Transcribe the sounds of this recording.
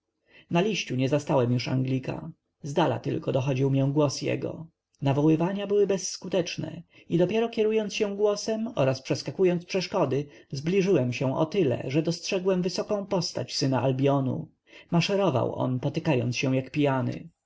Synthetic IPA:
nalʲiɕt͡ɕuɲɛzast̪awɛmjuʂa̰ŋɡlʲika̰ | zd̪ala̰t̪ɘ̰lkɔd̪ɔxɔd͡ʑiwmɲɛ̃ɡwɔsjɛ̰ɡɔ̰ | navɔwɘvaɲabɘwɘbɛsːkut̪ɛt͡ʂnɛ̰ | id̪ɔpʲjɛɾɔkʲɛɾujɔnt̪sɕɛw̃ɡwɔsɛmɔɾaspʂɛskakujɔnspʂɛʂkɔd̪ɘzblʲiʐɘwɛmɕɛ̃ʔɔ̰t̪ɘlɛ̰ʐɛd̪ɔstʂɛɡwɛmvɘsɔkɔ̃w̃pɔst̪a̰t͡ɕsɘnaʔalbʲjɔnṵ | maʂɛɾɔva̰wɔ̰npɔt̪ɘkajɔnt̪sɕɛ̃w̃jakpʲijanɘ̰

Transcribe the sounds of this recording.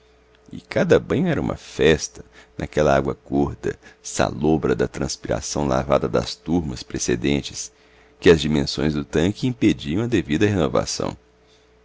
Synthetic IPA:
ɪkad̪ɐbɐ̃ɲ̃ʊɛɾɐṵ̃mɐ̰fɛst̪ɐ̥nʔakɛlɐaɡwɐkoɾd̪ɐ̰sa̰lobɾɐd̪ɐt̪ɾɐ̃spiɾa̰sɐ̃w̃la̰vad̪ɐd̪ɐ̰st̪uɾmɐspɾesed̪ẽnt͡ʃɪs | kɪɐzd͡ʒimẽsõj̃zd̪ʊt̪ɐ̃kɪĩped͡ʒiɐ̃w̃ɐd̪evid̪ɐɦenova̰sɐ̰̃w̃

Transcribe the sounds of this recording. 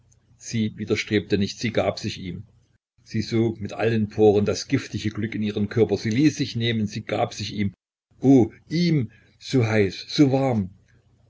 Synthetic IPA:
z̥iːviːdɐʃtʁ̥eːp̚tənɪçtz̥iːɡaːpz̥ɪçʔiːm | z̥iːzoːkmɪtʔa̰lənpʰoːʁəndasɡ̥ɪftɪçəɡlʏkɪniːʁ̞ənkʰœɐpɐz̥iːliːsz̥ɪçneːmənziːɡ̥a̰ːpz̥ɪçiːm | ʔoːʔiːm | z̥oːɦaɪsz̥oːvaʁm

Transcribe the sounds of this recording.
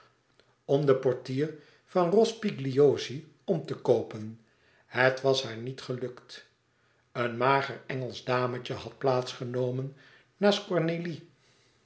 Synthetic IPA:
ɔmdəpɔɹtiːr | fɑnrɔspiɡliozi | ɔmtəkowpən | hətʋɑsɦaːɹnitχəlɵkt | ənmaːχərɛŋəlˠzdaːmət͡ʃəhɑt̚plaːtsχənowmənː | aːskɔɹneli

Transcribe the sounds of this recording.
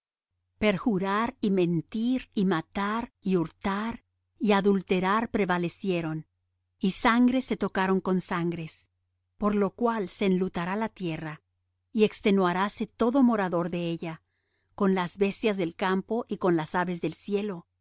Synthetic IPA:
pe̞ɾxuɾaɾimẽ̞nt̪iɾimat̪aɾiuɾt̪aɾ | iaðult̪e̞ɾaɾpɾe̞βale̞sje̞ɾo̞n | isaŋɡɾe̞se̞t̪o̞kaɾo̞ŋko̞nsaŋɡɾe̞s | po̞ɾlo̞kwalse̞ːnlut̪aɾalat̪je̞ra | ie̞kst̪e̞nwaɾase̞t̪o̞ðo̞mo̞ɾaðo̞ɾðe̞eʝa | ko̞nlazbe̞st̪jazðe̞lkampo̞ʔiko̞nlasaβe̞zðe̞lsje̞lo̞

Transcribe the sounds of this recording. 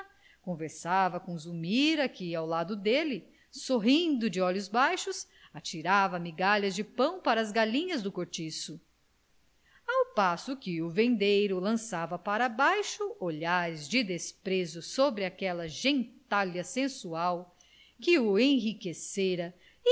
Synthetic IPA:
kõveɾsavɐkõzumiɾɐkɪawlad̪ʊd̪elɪ | soɦĩnd̪ʊd͡ʒɪɔʎʊzbajʃʊs | at͡ʃiɾavɐmiɡaʎɐzd͡ʒɪpɐ̃w̃paɾɐːzɡalĩɲɐzd̪ʊkoɾt͡ʃisʊ | awpasʊkɪʊvẽnd̪ejɾʊlɐ̃savɐpaɾabajʃʊoʎaɾɪzd͡ʒɪd̪espɾezʊsobɾɪakɛlɐʒẽnt̪alɐsẽsuaw | kɪʊẽj̃ɦikeseɾɐ

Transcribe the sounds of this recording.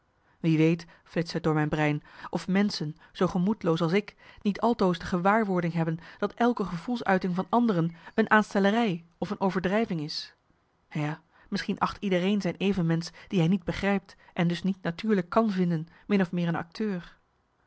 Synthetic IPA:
ʋiʋejt | flɪtsɛdʊːɹmɛjnbrɛjnʔɔfmɛnsən | z̥owχəmutəlowsɑlˠsɪknitʰɑlˠtowzdəχəʋaːɹʋʊɹdɪŋɦɛbənd̥ɑtɛlˠkəχəvulˠsœ̰ɥtɪŋvɑnɑndərənənʔaːnstɛlərɛjɔfənʔowvəɹdrɛjvɪŋɪs | jaː | mɪsχinʔɑχtidərejnzɛjnejvənmɛnsd̥iɦɛjnid̚bəχrɛjp̚tʔɛndɵsnitnatyːɹləkːɑnvɪndən | mɪnɔfmɪːɹənɑ̰k̚tʰøːɹ

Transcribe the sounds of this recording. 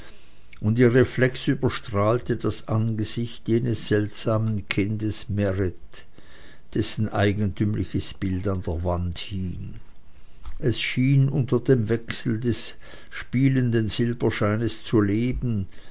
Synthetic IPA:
ʔʊntiːɐʁeflɛksyːbɐʃtʁ̥aːltəd̥asʔanɡəz̥ɪçtjeːnəsz̥ɛltz̥aːmənkʰɪndəsmɛʁɪt | d̥ɛsn̩ʔaɪɡən̩tʰyːmlʔɪçəsb̥ɪltandeːɐvanthiːŋ | ʔɛsʃiːnʔʊntɐd̥eːmvɛksl̩dɛs | ʃpiːləndənz̥ɪlbɐʃaɪnəst͡suleːbn̩

